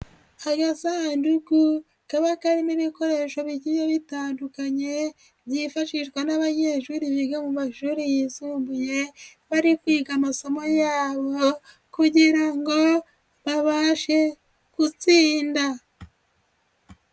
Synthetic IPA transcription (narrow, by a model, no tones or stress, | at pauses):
aɡasanduku | kaβakaɾimiβiko̞ɾe̞ʃo̞βiɟiβjoβitaːndukaɲe̞ | βjifaʃiʃwanaβaɲeʃuɾiβiɡamumaʃuɾijisuːmbuje̞βaɾikwiːɡamaso̞mo̞jaːβo | kuɟiɾaŋɡo̞ | βaβaʃe̞ | kut͡siːnda